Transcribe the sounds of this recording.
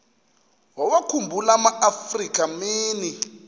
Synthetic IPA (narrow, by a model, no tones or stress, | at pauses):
wawakʰumbʱulamaʔafrik̬ʼamiːni